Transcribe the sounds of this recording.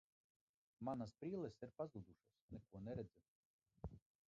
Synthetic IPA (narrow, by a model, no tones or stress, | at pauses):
manaspɾiːlɛsiɾpazud̪uʃasnɛkuɔnɛɾɛd̪zɛ